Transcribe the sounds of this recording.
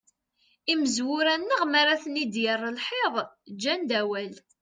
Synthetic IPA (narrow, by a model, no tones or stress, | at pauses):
iməzwʊɾænːəʁmaɾaθnid̪jərˤːəlħeðˤd͡ʒːænd̪æwæl